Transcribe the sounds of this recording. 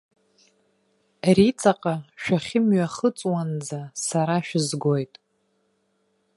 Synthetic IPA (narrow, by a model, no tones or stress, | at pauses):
rit͡sʼaqʼaʃᶣaχʲɪmɥaχət͡sʼwand͡zasaɾaʃᶣɪzɡo̞jtʼ